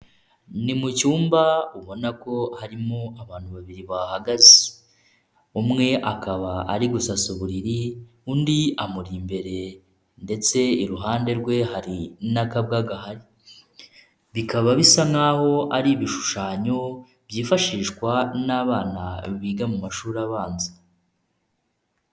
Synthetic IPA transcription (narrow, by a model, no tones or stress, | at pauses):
nimucuːmbauβo̞nako̞haɾimoaβaːn̥huβaβiɾiβahaɡazi | umŋe̞ʔakaβa̰ːɾiɡusasuβuɾiɾi | undiamuɾimbe̞ɾe̞ | nde̞t͡se̞iɾuɦaːnde̞ɾɡwe̞haɾinakabɡaːɡahaɾi | βikʰaβaβisaŋaːho̞ʔaɾiβiʃu̥ʃaːɲo̞ | bjiːfaʃiːʃkwanaːβaːna̰βiːɡamumaʃuːɾaβaːnza